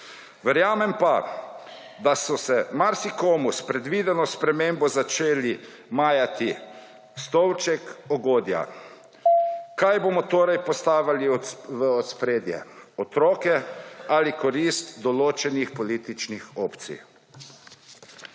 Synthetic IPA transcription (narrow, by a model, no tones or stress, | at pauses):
ʋɛɾjaːmɛmpa | d̪asɔsɛmaɾsikoːmuspɾɛd̪ʋiːd̪ɛnɔspɾɛmeːmbɔzat͡ʃeːli | maːjat̪i | st̪ɔwt͡ʃɛkɔɡoːd̪ja̰ | kajboːmɔt̪oːɾajpɔst̪aːʋaliʋəɔt̪spɾeːd̪jɛ̰ɔt̪ɾɔːkɛalikɔɾist̪d̪ɔloːt͡ʃɛnixpɔliːt̪it͡ʃnixoːpt̪sḭj